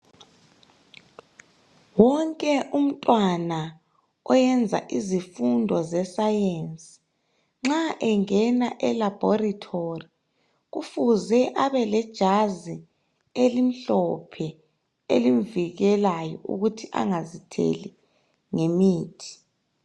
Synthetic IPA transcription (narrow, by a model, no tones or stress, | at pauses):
wɔŋkʼɛʔum̩tʼwana | ɔjɛnd͡zʱa̰ʔizifundʱɔzɛsajensʼi̥ | ŋ͡ǁaʔɛŋɛnaʔɛlab̥ʱɔratʰori | ɣufuzɛʔaβɛlɛd̥ʒ̥ʱazi | elim̩ɬɔpʰɛ | elimviɣɛlajɔ̰ṵɣutʰiʔa̰ŋazitʰḛli | ŋemiːtʰi̥